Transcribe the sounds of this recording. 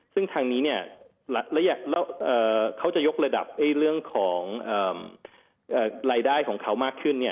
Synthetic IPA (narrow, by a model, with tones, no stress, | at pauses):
sɯ˥˩ŋt̪ʰaː˧ŋniː˦˥ni˥˩ɐ | lɛ˦˥lɛ˦˥jaː˨˩klɛ˦˥wʔɤː˨˩kʰa˦˥wt͡ɕa˨˩jo˦˥k̚ɾa˧da̰˨˩p̚ha˥˩jɾɯ˥˩əŋkʰɔː˩˦ŋʔɤː˨˩m | ʔɤː˨˩ɾaː˧jdaː˥˩jkʰɔː˩˦ŋkʰa˦˥wmaː˥˩kʰːɯ˥˩nːi˥˩ɐ